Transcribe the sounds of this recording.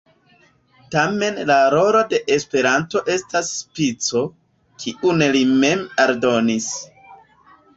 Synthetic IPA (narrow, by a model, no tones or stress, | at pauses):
tame̞nlaɾo̞lo̞de̞ʔespe̞ɾanto̞ʔe̞stasːpit͡so̞ | kʰiʔunelime̞maɾdo̞nis